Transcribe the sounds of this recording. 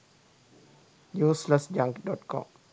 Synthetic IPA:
jusləsd͡ʒãŋkdɔt̚kʰɔ̰̃m

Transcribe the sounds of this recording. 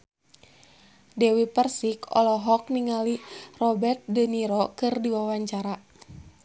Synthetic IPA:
dɛwipərsikɔ̰lɔɦɔk̚niŋalirɔbɛrt̪̚dəniɾɔkɨrdiwawaɲt͡ʃaɾa

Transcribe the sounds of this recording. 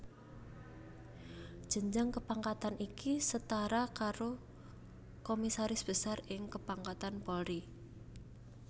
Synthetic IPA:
d̥ʒ̥ə̤ɲd͡ʒaŋkəpaŋkat̪anʔikisət̪aɾakaɾo | komisaɾɪsb̥ə̤sarɪŋkəpaŋkat̪anpɔlɾi

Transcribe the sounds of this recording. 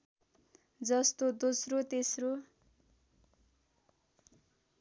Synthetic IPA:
d͡zʌst̪od̪osrot̪esro

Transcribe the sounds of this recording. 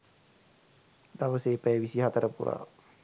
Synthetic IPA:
d̪aʋəseːpæjeʋisiɦɐt̪əɾəpṵɾa̰ː

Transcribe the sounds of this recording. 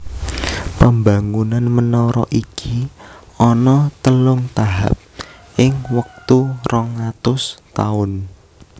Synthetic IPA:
pəmbaŋunanmənɔɾɔ̰ʔikʰiɔnɔt̪əlʊŋt̪aɦa̰p̚ | ʔɪŋwək̚t̪urɔŋat̪ʊst̪aʊn

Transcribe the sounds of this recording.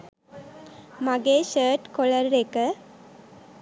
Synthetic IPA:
maɡeɕəːʈkoɭəɾɾekə

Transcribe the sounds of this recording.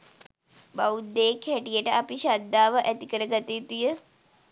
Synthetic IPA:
baud̪ːeːkhæʈijəʈəapiʃad̪ːaːʋəʔæt̪ikəɾəɡat̪iːt̪ujə

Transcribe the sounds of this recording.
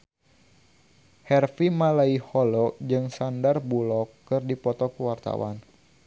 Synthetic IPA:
hɛrfimalaihɔlɔd͡ʒɨŋsandarbulɔkːɨrdipɔt̪ɔkəwart̪a̰wa̰n

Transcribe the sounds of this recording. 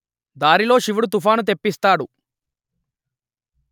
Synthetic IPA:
d̪aːɾilo̞ːʃiʋuɽut̪̬ufʰaːnut̪̬e̞pːist̪aːɽu

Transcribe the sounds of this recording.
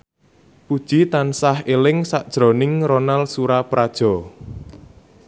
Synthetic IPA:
pud̥ʒ̥it̪ansahelɪŋsaʔd̥ʒ̥ɾɔ̤nɪŋɾonalsuɾapɾad̥ʒ̥ɔ̤

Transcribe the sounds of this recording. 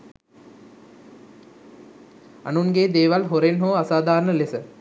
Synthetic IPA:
a̰nunɡeːd̪eːʋalɦoɾenɦoːasaːd̪ʱaːɾnəlesə

